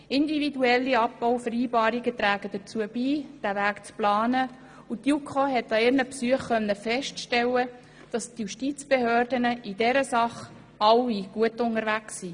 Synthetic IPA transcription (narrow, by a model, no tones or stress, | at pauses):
ɪndividuɛlːiɑp̚b̥ɔʊfəɾiːbɑːɾiɡət̪ɾæːɡ̥əd̥ət͡suəb̥iːd̥ævæːkt͡splɑːnə | utjukʰoɦɛtːɑɪɾnəpsuəχkœnːəfɛʃtʃtɛwə | d̥ɑstjuʃtit͡sb̥ehøːrdənəʔidɛɾəsɑχ | ɑwiɡ̥uətʊŋəɾvæksi